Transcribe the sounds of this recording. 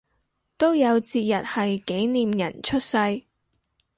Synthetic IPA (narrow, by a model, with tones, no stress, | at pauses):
t̪o˥wjɐ˨˧wt͡siː˧t̚jɐ˨t̚hɐ˨jke˨˥jniː˨mjɐ̰˨˩nt͡ʃʰɵ˥t̚sɐ˧j